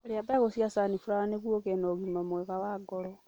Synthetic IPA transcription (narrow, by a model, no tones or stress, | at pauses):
oɾiabaɣosjasanifuɾaaneɣwokenoɣimamweɣawaɡolɔ